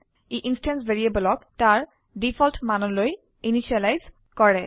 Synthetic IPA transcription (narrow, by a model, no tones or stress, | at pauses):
iʔinstɛnsbeɹiebɔlɔk̚taɹ | dipʰɔltmanɔloj | iniʃialajz | kɔɹɛ